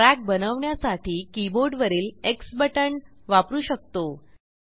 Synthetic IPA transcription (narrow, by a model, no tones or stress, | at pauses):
ɾak̚bənəʋɳjasaʈʰiːkiboɾɖʋəɾiːleksbəʈəɳʋapɾuːɕək̚t̪o